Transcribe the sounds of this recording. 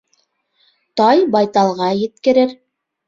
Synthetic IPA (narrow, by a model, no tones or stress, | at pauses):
t̪ɑjbɑjt̪ɑlˠʁɑjɘ̆t̪kɘ̆ɾɘɾ